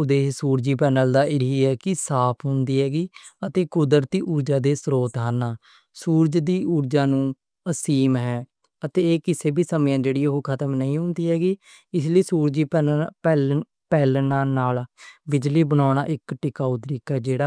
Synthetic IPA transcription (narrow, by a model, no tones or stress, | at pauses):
ʊd̪eːsuːɾd͡ʒiːpɛːnəld̪aːɪɾiːɛːkɪsaːpʰɦʊnd̪iːɦɛːɡiːət̪eːkʊd̪əɾt̪iːʔuɾd͡ʒaːd̪eːsɾoːt̪ɦaːnːaː | suːɾd͡ʒd̪iːuːɾd͡ʒaːnũː | əsiːmɦɛː | ət̪eːeːkɪseːbʱiːsəmjãːd͡ʒeːɽiːɦoːkʰət̪əmnəĩːɦʊ̃nd̪iːɦɛːɡiː | ɪs̬ləiːsuːɾd͡ʒiːpɛpɛːl | pɛːlnaːnaːlbɪd͡ʒliːbənaːɽ̃aːʔɪkʈɪkaːoːt̪əɾiːkɛːd͡ʒeːɽaː